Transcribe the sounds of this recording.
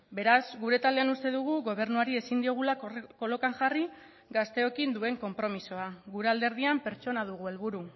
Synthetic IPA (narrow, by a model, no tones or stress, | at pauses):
be̞ɾazɡuɾe̞t̪ald̪eanust̪e̞ðuɣ̞uɣo̞β̞e̞ɾnuaɾie̞sind̪io̞ɣ̞ulako̞lo̞kaŋʝari | ɡast̪e̞o̞kind̪ue̞ŋko̞mpɾo̞miso̞aɣuɾe̞ald̪e̞ɾð̞iampe̞ɾt͡ʃo̞naðuɣ̞ue̞lβuɾu